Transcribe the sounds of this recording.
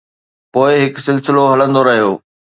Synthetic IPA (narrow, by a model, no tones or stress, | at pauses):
poːɪɦɪksɪlsɪloɦɐlə̃nd̪oɾɐɦijoː